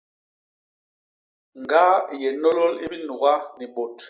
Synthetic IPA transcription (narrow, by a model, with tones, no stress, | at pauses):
ŋ˨ɡa˦˨jɛ˨nɔ˦lɔ˦lḭ˦bi˦nu˨ɣa˦ni˨ɓo˨t